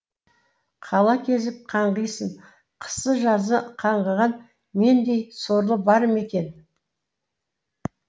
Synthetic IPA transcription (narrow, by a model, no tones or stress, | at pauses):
qʰɑlˠɑkʲʰe̞zɪp̚qʰɑɴʁəjsəɴ | qʰə̥sːəʒɑzəqʰɑɴʁəʁɑn | me̞nd̪e̞jso̞ɾlˠəbɑɾəme̞kʲe̞n